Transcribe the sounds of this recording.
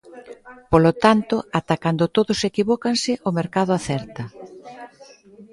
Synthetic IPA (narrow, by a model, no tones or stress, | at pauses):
polot̪ant̪ʊat̪akand̪ʊt̪oðʊsekiβɔkansɪʔomeɾkaðʊaθɛɾt̪ɐ